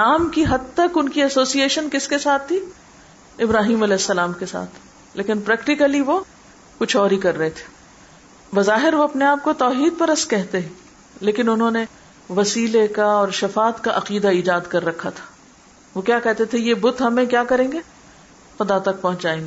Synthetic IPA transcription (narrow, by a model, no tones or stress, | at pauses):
naːmkiɦɐd̪̚t̪ɐkʊnkiɐsoːsieːʃənkɪskesaːt̪ʰːi | ɪbɾaːɦiːmɐlɛːɦɪsːɐlaːmkesa̰ːt̪ʰ | leːkɪnpɾɛːkʈɪkəliʋo | kʊt͡ʃʰɔːɾɦikɐɾːɐɦet̪ʰe̥ | bɐzaːɦɪɾʋoɐpneaːp̚kot̪ɔːɦiːd̪̚pɐɾɐskɛɦt̪eɛ̃ | leːkɪnʊnɦõne | ʋɐsiːlekaɔːɾʃɐfaːt̪kaʔɐqiːd̪aiːd͡ʒaːd̪kɐɾːɐkʰːat̪ʰḁː | ʋokjaːkɛɦt̪et̪ʰejebʊt̪ɦɐmẽkjaːkɐɾẽːŋɡe | xʊd̪at̪ɐk̚pɐɦʊ̃t͡ʃaːẽːŋɡe